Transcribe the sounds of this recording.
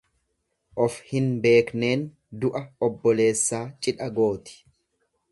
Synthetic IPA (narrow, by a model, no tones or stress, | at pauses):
ʔɔfhɪnbe̞ːkne̞ːn | d̪ʊʔɐɔbːɔle̞ːsːaːt͡ʃʼɪᶑɐɡo̞ːt̪ɪ̥